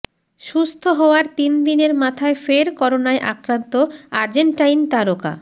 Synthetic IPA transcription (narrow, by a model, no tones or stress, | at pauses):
ʃust̪ʰoɦɔoaɾt̪ind̪ineɾmat̪ʰaefeɾkɔɾonaeʔa̰kɾant̪oaɾd͡ʑeɳʈajnt̪aɾoka̰